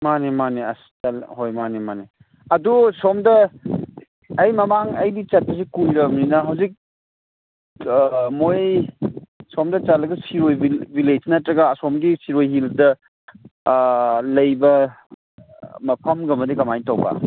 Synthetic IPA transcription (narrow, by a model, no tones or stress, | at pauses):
manemaniɐstɐlɦojmanemani | ɐdusɔmdɐ | jmɐmaŋɐjdit͡ʃɐt̚pɐs̬ikulɾɐmninɐɦɐwzik̚ | moj | somdɐt͡ʃalɐɡɐsiɾojibilesnɐtɾɐɡɐːsɔmɡisiɾojɦildɐ | lɐjbɐ | mɐpʰɐmɡɐmɐdikɐmajtawbɐ̰